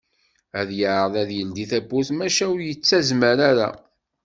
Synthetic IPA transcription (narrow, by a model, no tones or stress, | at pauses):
æðjəʕɾəðæðjəld̪iθæbːuθmæʃæwʊɾjət͡sːæzməɾaɾa̰